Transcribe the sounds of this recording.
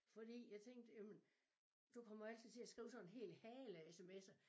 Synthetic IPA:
fɒ̽d̥ḭːjɑ̈ɪt͡sʰeŋ̰d̥jæmn | d̥ukʰɒ̽m̰ɐæl̰t͡sʰiðˠt͡sʰe̝æsɡ̥ʁḭːʊsɒ̽nenɦe̝̰ːlhɛːlæesemesɐ

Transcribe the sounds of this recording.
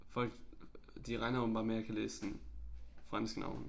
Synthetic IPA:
fɔlɡ̥̚dd̥iʁaɪnɐofm̩bɑmɛɐkʰəleːsn̩ | fʁansɡ̥nʔa̰ʊn

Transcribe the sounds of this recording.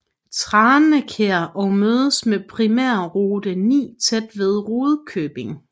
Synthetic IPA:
t͡sʰʁɑːnnəkʰeɐʔɒ̽ʊmøːð̞ˠəsmepʰʁimæɐ̰ʁoːd̥ənḭːt͡sʰed̥ʋe̝ðˠʁoːðˠkʰøb̥e̝ŋ

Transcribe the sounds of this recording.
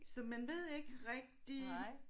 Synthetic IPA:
sɒ̽mænʋe̝ð̞̰ˠe̝ɡ̥əʁɛɡ̥̚d̥i

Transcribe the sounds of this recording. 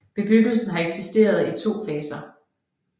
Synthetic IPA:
b̥e̝b̥yɡ̥l̩sn̩ɦɑ̈eɡ̥sisd̥e̝̰ːɐð̞ˠit͡sʰo̝̰ːfɛːsɐ

